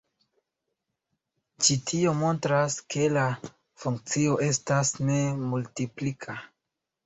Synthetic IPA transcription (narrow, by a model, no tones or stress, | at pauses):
t͡ʃitʰio̞mo̞ntɾaskʰe̞la | fuŋk̚t͡sio̞ʔe̞stasne̞multiplikʰa